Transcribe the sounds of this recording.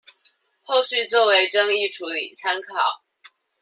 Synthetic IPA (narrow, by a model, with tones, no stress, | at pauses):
xo˥˧ʊʂ̩˥˧t͡swɔ˥˩we˧˥ɪʈ͡ʂɤ˥ŋi˥˩ʈ͡ʂʰu˧˥lḭ˨˩t͡sʰa˥nkʰɑ˨˩˦ʊ